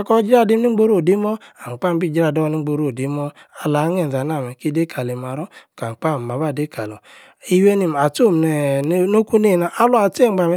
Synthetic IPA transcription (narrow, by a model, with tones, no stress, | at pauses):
a˦kɔ˦d͡ʒi˦ɾa˦˨di˦m˦ni˦ɡ͡bo˦ɾo˦˨di˦mɔ˦a˨ŋ͡m̩˨k͡pa˦˨m˦bi˦˨d͡ʒi˦ɾa˦˨do˦ni˦ɡ͡bo˨ɾo˦˨di˨˦mɔ˦ | a˨la˨˦ŋe˨n̩˨za˨na˦˨mɛ˨ki˦de˦kʰa˨le˨m˨a˨ɾɔ˦ka˨k͡pa˦˨ma˨ba˦˨de˦ka˨lo˨ | i˦we˦ni˨m˨a˨to˦˨m˨ne˨˦no˦ku˦ne˦˨na˨ʔa˦lo˦a˨te˦˨ŋ͡mɡ͡ba˨mɛ˦